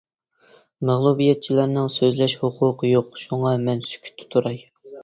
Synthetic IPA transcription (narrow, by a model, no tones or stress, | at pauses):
mæʁlˠubijɛt̪̚t͡ʃʰilæɾnɨŋsøzlɛʃhʊqʰuqʰəjoqʃuŋɑmɛnsy̥kʲʰy̥t̪ʰːɪ̥t̪ʰuɾɑj